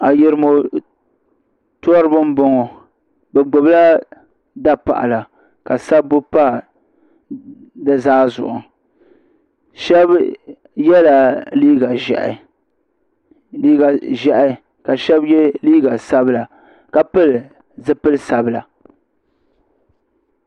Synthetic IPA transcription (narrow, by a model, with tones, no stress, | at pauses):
a˨jɪ˨ɾɨ˦mo˨ | tɔ˦ɔ˦ɾɨ˦bɨ˦m˦bɔ˦ŋɔ˨ | bɛ˨ɡ͡bo˨bla˦ | da˦pa̰˨ʔa̰˨la˨ | ka˨sa˦bːʊ˦pa˦ | dɨ˦zaː˦zʊ̰˨ʔʊ̰˨ | ʃɛ˦b | jɛ˦la˨liː˦ɡa˨ʒɛ̰˨ʔɪ̰˨ | liː˦ɡa˨ʒɛ˨ʔɪ˦ | ka˨ʃɛ˦bjɛ˦liː˦ɡa˨sa˦bla˨ | ka˨pɨ˦l | zɨ˦pɨ˦lsa˨bɨ˦˨la˨